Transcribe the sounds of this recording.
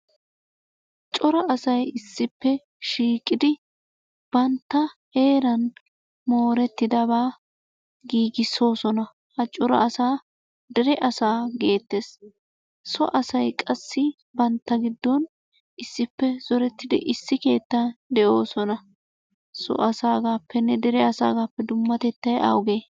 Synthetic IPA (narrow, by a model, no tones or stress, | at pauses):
t͡ʃʼɔɾɐʔɐsɐjɪsːɪpːɛ | ʃiːkʼɪd̪ɪ | b̥ɐnt̪ːɐhe̞ːɾɐn | mo̞ːɾɛt̪ːɪd̪ɐbaː | ɡiːɡɪso̞ːsɔnɐ | hɐt͡ʃʼɔɾɐ̰ʔɐsaː | d̪ɛɾɛʔɐsaːɡe̞ːt̪ːe̞ːs | sɔʔɐsɐjkʼɐsːɪ | bɐnt̪ːɐɡɪd̪ːɔn | ʔɪsːɪpːɛz̥ɔɾɛt̪ːɪd̪ɪ̰ʔɪsːɪke̞ːt̪ːɐd̪ɛʔo̞ːsɔnɐ | sɔ̰ʔɐsaːɡaːpːɛnːɛd̪ɛɾɛɐsa̰ːɡaːpːɛd̪ʊmːɐt̪ɛt̪ːɐjʔa̰wʊɡeː